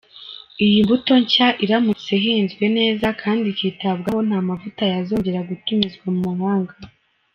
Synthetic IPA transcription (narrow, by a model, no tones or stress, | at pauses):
ijimbuto̞ɲcaʔiɾamut͡se̞ɦiːnzɡwe̞ne̞ːzakʰaːndikiːtabɡaho̞n̥haːmavutajazo̞ːɲɟe̞ɾaɡutumizɡwamumuhaːŋɡa